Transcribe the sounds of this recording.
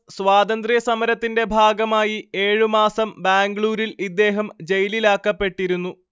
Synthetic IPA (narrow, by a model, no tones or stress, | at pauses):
sʋwaːd̪ɐnd̪rijɐsɐmɐɾɐt̪ːinde̞bʱaːɡɐmaːjie̞ːɻumaːsɐmbaːŋɡɭuːɾilid̪ːe̞ːɦɐmd͡ʑe̞jlilaːkːɐpːe̞ʈːiɾunːu